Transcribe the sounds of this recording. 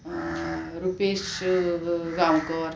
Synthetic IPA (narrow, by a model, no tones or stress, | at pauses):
ɾupeɕ | ɡawkɔɾ